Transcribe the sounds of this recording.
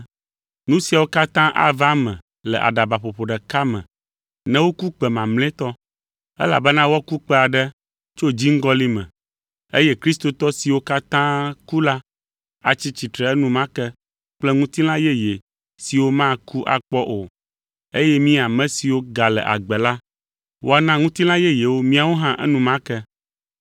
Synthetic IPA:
nũ˦si˨a˨wo˦ka˦t̪ã˦ʔa̰˦va˦mɛ̃˨ | lɛ˨ʔa̰˨ɖa˨ba˨ɸo˨ɸo˨ɖɛ˨ka˦mɛ̃˨ | nɛ̃˦wo˦ku˦k͡pɛ˨mã˨ml̃ɛ̃˦t̪ɔ˦ | ɛ̰˦la̰˨bɛ˦nã˦wɔ˦ku˦k͡pɛ˦a˨ɖɛ˦ | t͡ʃo˦d͡ʑi˦ŋ̩˦ɡɔ˦li˦mɛ̰̃˨ | e˦jɛ˦kɾi˦st̪o˨t̪ɔ˦si˨wo˦ka˦t̪ã˦ku˦la˦ | a˨t͡ɕi˦t͡ɕi˨t̪ɾɛ˨ɛ˦nũ˦mã˦kɛ˦ | k͡plɛ˦ŋũ˦t̪i˦l̃ã˦jɛ˦je˨ | si˨wo˦mã˦ku˦ʔa̰˨k͡pɔ˦ʔo˨ | e˦jɛ˦mĩ˦a˨mɛ̃˦si˨wo˦ɡa˨lɛ̰˨ʔa̰˨ɡ͡bɛ˨la˦ | wo˦a˦˨nã˦ŋũ˦t̪i˦lã˦jɛ˦je˨wo˦mĩ˦a˨wo˦ɦã˦ʔɛ̰˦nũ˦mã˦kɛ˦

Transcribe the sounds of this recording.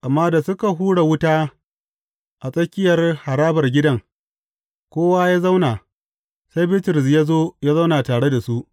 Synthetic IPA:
ʔa˨mːaː˦da˨sʊ˦ka˨ɦuː˦ɽe˨wʊ˦taː˦ | ʔa˨sʼɐ˦kʲɪ˦jɐ˨rha˨ɾaː˦bɐ˨rɡʲɪ˦dɐ˦ŋ | kʷoː˦wa˦jaː˦za˦wna˨ | sa˦jbɪ˦tɪ˨ɾɪ˨s̬jaː˦zoː˦jaː˦za˦wnaː˨taː˨ɽe˦da˨su˦ʔ

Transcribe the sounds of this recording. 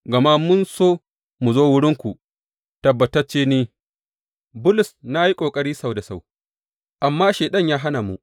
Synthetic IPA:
ɡɐ˨maː˦mʊ˦nsoː˦ | mu˨zoː˦wʊ˦ɽɪ˦ŋkʷu˨ | tɐ˨bːɐ˨tɐ˦t͡ʃeː˦niː˦ | bʊ˦lʊ˨sna˦ji˦kʷʼoː˨kʼɐ˦ɽiː˦sa˦˨wda˨sa˦˨w | ʔa˨mːaː˦ʃeː˨ɗɐ˦ɲjaː˦ɦa˦na˨mṵ˨ʔ

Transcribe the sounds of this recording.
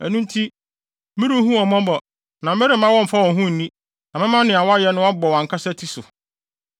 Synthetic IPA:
æ˨nũ˦n˦tʰi˦ | mĩ˦ɾũ˦ɦũ˦ɔ˨mɔ̃˦bɔ˨ | nã˨˦mɛ˦ɾɪ˨˦mã˦wɔ̃˦m̩˨fa˦wɔ̃˨ɦũ˦n̩˨nĩ˦ | nã˨mɪ̃˦mã˦nɪ̃˨a˨wɔ˦a˦jɛ˦nʊ̃˦wɔ˦bɔ˨wã˨ŋ˨kʰa˦sɛ˦tʰi˦sʊ˨

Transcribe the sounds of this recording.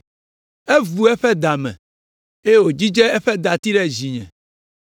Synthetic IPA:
e˦vu˨ɛ˦ɸɛ˦d̪a˨mɛ̰̃˨ | e˦je˦wo˨d͡ʑi˦d͡ʒe˦ɛ˦ɸɛ˦d̪a˨t̪i˦ɖɛ˦zi˨ɲɛ̰̃˨

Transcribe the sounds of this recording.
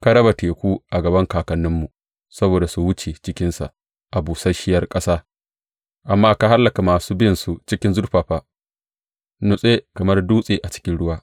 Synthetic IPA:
ka˦ɽɐ˦ba˨teː˨kʷuː˦ʔa˨ɡɐ˨bɐ˦ŋkaː˨kɐ˨nːɪ˦mːu˨ | sɐ˦boː˨da˨su˨wʊ˦t͡ʃe˨t͡ʃɪ˦kʲɪ˦nsa̰˨ | ʔa˨buː˨sɐ˦ʃɪ˦jɐ˦rkʼɐ˦saː˦ | ʔa˨mːaː˦ka˦ha˦lːɐ˨ka˨maː˨suː˦bɪ˦nsu˨t͡ʃɪ˦kʲɪ˦nzʊ˦rɸaː˨ɸaː˦ | nʊ˨sʼe˦kɐ˨mɐ˦rduː˦sʼeː˨ʔa˨t͡ʃɪ̥˦kʲɪ˦nɽʊ˦waː˦

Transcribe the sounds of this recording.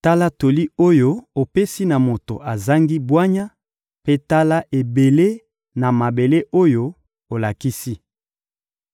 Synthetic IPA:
ta˦la˦to˨li˦o˦jo˦o˨pe˦si˦na˨mo˨to̰˨ʔa˨za˦ŋɡi˦bwa˦ɲa˦ | pe˦ta˦la˦ʔe˨be˨le˦ | na˨ma˨be˨le˦ʔo˦jo˦ | o˨la˨ki˦si˦

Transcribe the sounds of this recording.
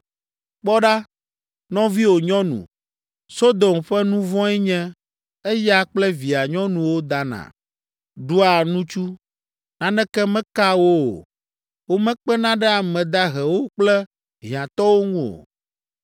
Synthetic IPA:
k͡pɔ˦ɖa˦ | nɔ̃˦vi˦wo˨ɲɔ̃˦nṵ̃˨ | so˦d̪o˨mɸɛ˦nũ˦vɔ̃˦ɛ˦ɲɛ̃˦ | e˦ja˦k͡plɛ˦vi˨a˨ɲɔ̃˦nũ˨wo˦d̪a˦nã̰˨ | ɖu˦a˨nũ˦t͡ʃu˦ | nã˨nɛ̃˦kɛ˦mɛ̃˦ka˦wo˦o̰˨ | wo˦mɛ̃˦k͡pɛ˦nã˦ɖɛ˦a˨mɛ̃˨d̪a˦ɦɛ˨wo˦k͡plɛ˦ | ɦĩ˨ã˨t̪ɔ˦wo˦ŋũ˦o̰˨

